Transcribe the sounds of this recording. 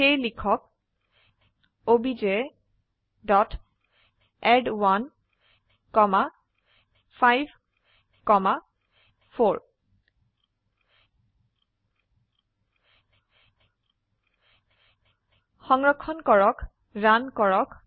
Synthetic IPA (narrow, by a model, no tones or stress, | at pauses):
ejlikʰɔk̚ | obid͡ʒe | dɔt | ɛdwan | kɔma | pʰajbʱ | kɔma | pʰoɹ | xɔŋɹɔkʰːɔnkɔɹɔk | ɹankɔɹɔk